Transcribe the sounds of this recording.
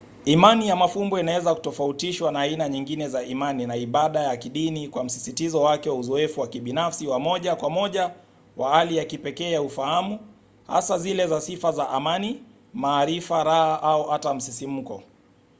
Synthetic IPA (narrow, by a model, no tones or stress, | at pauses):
imanijamafumbɔinawɛzaku̥tɔfautiʃwanaːinaɲiŋɡinɛzaʔimaninaiɓaɗajakiɗinikwam̩si̥sitizɔwakɛwauzɔɛfuwakiɓinafsiwamɔʄakwamɔʄa | wahalijakipɛkɛːjaufahamu | ha̰sazilɛzasifazaʔamani | maːɾifaɾahaʔauhatam̩sisim̩kɔ̰